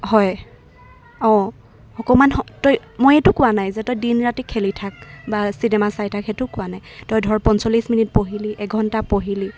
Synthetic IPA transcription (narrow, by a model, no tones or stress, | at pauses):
hɔj | ɔ̃ | xɔkɔmanɔtɔj | mojetʊkʊwanajzɛtɔjdinɹatikʰelitʰak̚basinɛmasajtʰakʰɛtʊkʊwanajtɔjdʱɔɹpɔnsolisminit̚poɦiliʔɛɡʱɔntapoɦili